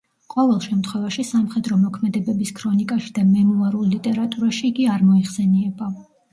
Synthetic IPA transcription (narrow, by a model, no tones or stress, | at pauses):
qʼɔvɛlˠʃɛmt̪ʰχwɛvaʃisamχɛd̪ɾɔmɔkʰmɛd̪ɛbɛbiskʰɾɔnikʼaʃi̥d̪̥amɛmuaɾulˠlit̪ʼɛɾat̪ʼuɾaʃiːɡiaɾmɔiχsɛniɛba